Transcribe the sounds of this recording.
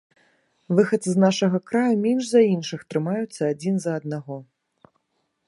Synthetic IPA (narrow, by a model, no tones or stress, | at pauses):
vɨxɐt̪sɨznaʂɐɣɐkɾajumʲɛnʐzɐinʂɨxt̪ɾɨmajut̪sːɐad͡zʲinzɐːd̪̚naɣɔ